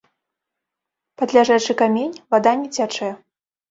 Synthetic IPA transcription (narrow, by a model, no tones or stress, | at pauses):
pad̪lʲaʐat͡ʂɨkamʲenʲvad̪anʲɛt͡sʲat͡ʂɛjɛ